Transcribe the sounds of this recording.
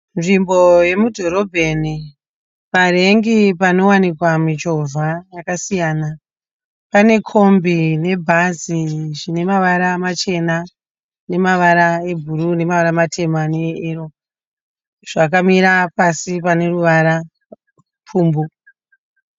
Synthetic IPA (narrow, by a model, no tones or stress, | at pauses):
nʐimbo̞je̞mudʱo̞ɾo̞bʱe̞ni | paɾe̞ŋɡipano̞wanikwamit͡ʃo̞vʱajakasijana | pane̞kʰo̞mbine̞bʱaziʐine̞maʋaɾamat͡ʃe̞na | ne̞maʋaɾae̞bʱuɾune̞maʋaɾamatʰe̞maneero̞ | ʐ̥akamiɾapasipane̞ruʋaɾa | pʰuːmbu